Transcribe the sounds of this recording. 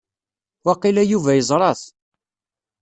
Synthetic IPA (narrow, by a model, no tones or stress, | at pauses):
wɑqilæjuvæjəzˤɾˤɑθ